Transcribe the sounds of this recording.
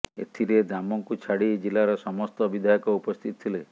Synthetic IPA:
ḛt̪ʰiɾed̪amɔŋkut͡ʃʰaɽid͡ʒilaɾɔsɔmɔst̪ɔbid̪ʱajɔkɔupɔst̪ʰit̪ɔ̥t̪ʰile

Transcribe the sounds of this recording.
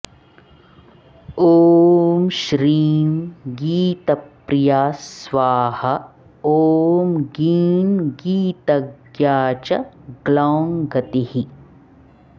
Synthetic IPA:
oːmʃɾiːnɡiːt̪ɐpɾijaːsʋaːhɐ | oːmɡiːnɡiːt̪ɐɡjaːt͡ʃɐɡlaːŋɡɐt̪ihi

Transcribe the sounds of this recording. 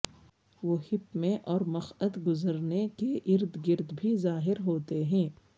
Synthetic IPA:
ʋoːhɪpmẽʔɔːɾmɐxəd̪ɡʊzəɾnekeʔɪɾd̪ɡɪɾd̪bʱizaːɦɪɾɦoːt̪eɦɛ̃ː

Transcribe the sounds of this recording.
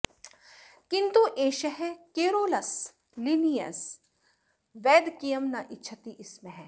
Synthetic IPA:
kɪnt̪uʔeːʃɐɦɛkeːɾoːlɐs | linijɐ̰s | ʋɛːd̪kijɐmnɐʔɪtːʃʰɐt̪iʔɪsmẽɦɛ̃ː

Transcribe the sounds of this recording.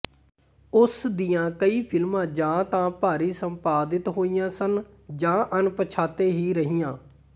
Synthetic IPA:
ʊsd̪ɪjãːkəiːpʰɪlmãːd͡ʒãːt̪ãːpaːɾiːsə̃mpaːd̪ɪt̪ɦoːijãːsən | d͡ʒãːʔənpət͡ʃʰaːt̪eːɦiːɾəɦijãː

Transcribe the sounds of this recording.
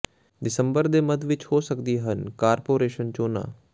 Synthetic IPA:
ɖɪsə̃mbəɾd̪eːmɐd̪ʋɪt͡ʃhoːsəkd̪iɦənkaːɾpoːɾeːʃənt͡ʃoːnã̰ː

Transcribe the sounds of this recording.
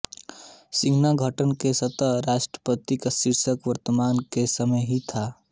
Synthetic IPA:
sɪ̃ɡʱnaɡʱəʈənkesət̪əɾaːʃʈɾə̥pət̪ikasɪɾsəkʋəɾt̪əmaːnkesəməjɦit̪ʰaː

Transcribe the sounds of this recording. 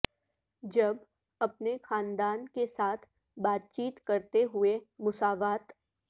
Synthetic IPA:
d͡ʒɐb | ɐpnexãːnd̪aːnkesaːt̪ʰ | baːt̪̚t͡ʃiːt̪kɐɾt̪eɦʊemʊsaːʋaːt̪

